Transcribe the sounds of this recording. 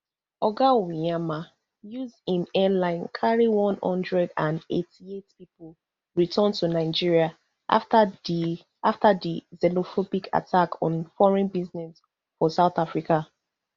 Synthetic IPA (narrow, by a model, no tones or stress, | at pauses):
ɔɡawijama | juzdĩnɛlãɪ̃nkʰaɹiwɔ̃nhɔ̰̃ndɹɛdãnḛtʰietpipol | ɹitʰãntʰunaɪd͡ʒiɹia | aftadizɛlofobikʰa̰tʰakɔ̃nfɔɹɛ̃nbiznɛs | fɔsaʊθafɹika